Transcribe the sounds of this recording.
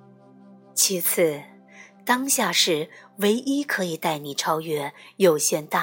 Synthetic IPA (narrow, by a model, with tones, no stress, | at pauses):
t͡ɕʰi˧˥t͡s̩ʰ˥˩ | t̪ɑ˥ŋɕja˥˧ʂɻ̩˥˩we˧˥ɪʔi˥kʰɤ˧˥i˨˩t̪a˥˩ɪni˨˩ʈ͡ʂʰɑ˥ʊɥɛ˥jo˨˩ʊɕjɛ˥˧nt̪a˥˩